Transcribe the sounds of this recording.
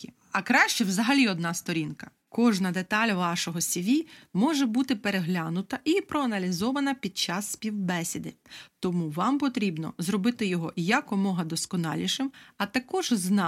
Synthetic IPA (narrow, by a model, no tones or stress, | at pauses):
ɐkɾɑʃt͡ʃɛwzɐɦɐlʲiɔd̪nɑst̪ɔɾʲinkɐ̥ | kɔʒnɐd̪et̪ɑlʲʋɑʃɔɦɔsʲiʋʲimɔʒɛbut̪ɪpeɾeɦlʲanʊt̪ɐʔipɾɔɐnɐlʲizɔʋɐnɐpʲid̪̚t͡ʃɑsːʲpʲiwbɛsʲid̪ɪt̪ɔmuʋɑmpɔt̪ɾʲibnɔ̰zɾɔbɪt̪ɪjɔɦɔjɐkɔmɔɦɐd̪ɔskɔnɑ̰lʲiʃɪmɐt̪ɐkɔʒznɑ